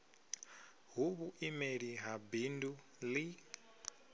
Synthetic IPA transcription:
ɦuβuʔimeɺiɦabindu | li

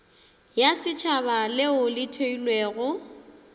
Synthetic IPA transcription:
jasɪt͡ʃʰaβalɪʊlɪtʰoilweːɣʊ

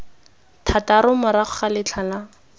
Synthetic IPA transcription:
tʰataɾʊmʊɾaχʊχalɪt͡ɬʰala

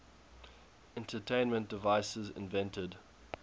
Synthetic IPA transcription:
ɛ̃ntʰətʰẽɪ̃nmə̃nd̥ɪvaɪsəzɪ̰̃nvɛ̃ntʰəd

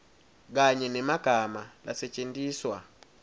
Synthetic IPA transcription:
k̬aɲɛnɛmaɡ̥ʱamala̰sɛt͡ʃʼendiːswa

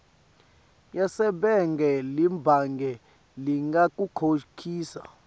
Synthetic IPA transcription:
jasɛɓɛŋɡɛlimbʱaŋɡʱɛ | liŋɡak̬ʼukʰokʰiːsa̰

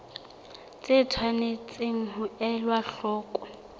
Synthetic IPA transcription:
t͡sʼɪtʰwanɪt͡sʼɪŋ̩ɦʊɛlwaɬɔːkʼɔ

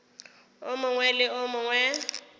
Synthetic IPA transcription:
ʊmʊŋwɛlɪʊmʊŋwɛ

